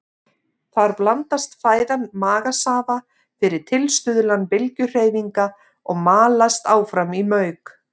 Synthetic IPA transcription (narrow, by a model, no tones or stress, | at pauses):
θaɾplant̪ast̪faːjðanmaːɣasaːva | fɪɾɪɾ̥t̪ʰɪlst̪ʏðlanpɪlcʏr̥eːjviŋka | ɔɣmaːlast̪aːwfɾamimœɥk